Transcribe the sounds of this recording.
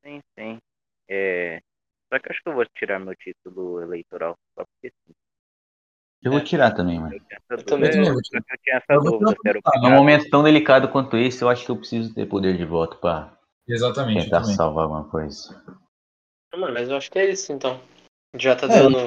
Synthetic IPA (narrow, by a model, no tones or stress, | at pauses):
sĩsĩ | ɛ | sɔkɪwaʃʊkɪewvot͡ʃiɾaɾmewt͡ʃit̪ʊlʊelejt̪oɾa̰wsa̰pʊ̥ɾkesĩ | ewot͡ʃiɾat̪ɐ̃mbẽj̃mɐ̃ewt͡ʃĩɲɛsɐt̪ɐ̃mẽt̪ɐmẽj̃voɔkewt͡ʃĩɲɐɛsɐvouvoseɛɾʊaɛ̃ũmomẽnt̪ʊ̥t̪ɐ̃w̃d̪elikad̪ʊkwɐ̃nt̪ʊisʊewaʃʊ̥kɪewpɾesizʊt̪ḛɾpod̪eɾd͡ʒɪvɔt̪ʊ̥pɾɐ | ezat̪ɐmẽẽt̪aɾssa̰wvaɾa̰wɡṵ̃mɐkojzɐ | ɐ̃mɐ̃nmɐzewaʃʊ̥kɪɛisʊẽnt̪ɐ̃w̃ | ʒat̪ad̪ɐ̃nʊ